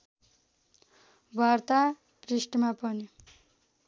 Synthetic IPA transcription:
bʱart̪a | prisʈmapʌni

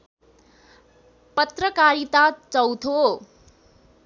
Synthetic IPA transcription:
pʌt̪rʌkaɾit̪at͡sʌwt̪ʰo

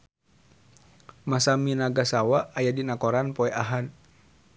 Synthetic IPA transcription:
masaminaɡasawaːjadinakɔɾanpɔɛʔaɦan

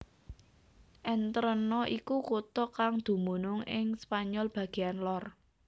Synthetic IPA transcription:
ʔɛnt̪əɾənɔʔikukut̪ɔkaŋd̪̥ṳmunʊŋɪŋspaɲɔlb̥ä̤ɡ̥e̤anlɔr

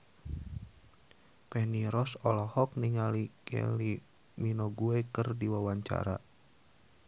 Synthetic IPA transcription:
pɛhniɾɔsɔlɔhɔk̚niŋalikʰɛ̰li | minɔɡuekərdiwawaɲt͡ʃa̰ɾa̰

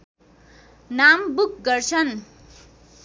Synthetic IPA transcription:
nambuk̚ɡʌrt͡sʰʌn

